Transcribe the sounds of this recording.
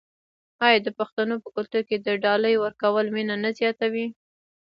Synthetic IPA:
ɑjɑd̪əpaxt̪anopəkʊlt̪uɾked̪əɖɑləjwəɾkawəlminanazjɑt̪awi

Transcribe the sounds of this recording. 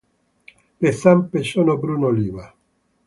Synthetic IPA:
lesampeʃonobɾunoliːva

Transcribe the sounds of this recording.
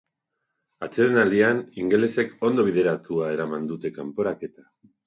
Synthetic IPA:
at͡seðenald̪ianiŋɡe̞le̞se̞ko̞nd̪o̞β̞iðe̞ɾat̪uae̞ɾamand̪ut̪e̞kampo̞ɾake̞t̪ḁ

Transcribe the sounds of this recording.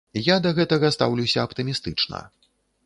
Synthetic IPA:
jad̪ɐɣɛt̪ɐɣɐst̪a̰wlʲuwsʲɐɐpt̪ɨmʲist̪ɨt͡ʂnɐ̰

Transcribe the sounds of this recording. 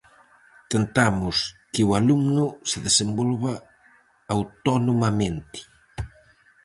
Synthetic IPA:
t̪ent̪amʊskɪwalumnʊsɪðesembɔlβa | awt̪ɔnomamẽnt̪ɪ̥

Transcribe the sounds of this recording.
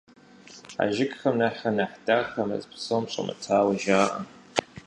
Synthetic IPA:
a̰ʒɪkʼxɐmnaħɐnaħdaxɐmɐ̰zpʰsomɕʷʼɐ̰mʔɨ̰tʰaːwɐʒaːʔɐ̰

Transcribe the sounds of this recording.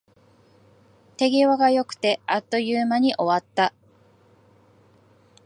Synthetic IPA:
t̪e̞ɡʲeβaɡajo̞kɯ̟̥t̪e̞at̪ːo̞jɯːmaɲ̟iʔo̞βat̪ːa

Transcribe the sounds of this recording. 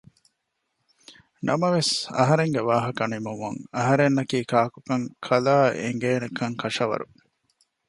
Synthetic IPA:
nʔɐmɐʋesɐ̰ɦɐɾeŋɡeʋaːɦɐkɐnimumɐŋɐɦɐɾenːɐkiːkaːkukɐŋkʰɐlaːḛŋɡeːnekɐŋkʰɐʂɐʋɐ̰ɾṵ

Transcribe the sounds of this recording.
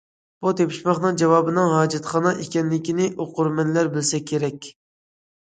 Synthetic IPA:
b̥ut̪ʰepʰi̥ʃmɑχnɨŋd͡ʒɛwɑːbɨnɨŋɦɑːd͡ʒɛt̪χɑnɑʔekʲɛnlɪkʲinɪʔoqʊɾmɛnlæɾbɪlsɛkʲʰeɾɛkʲ

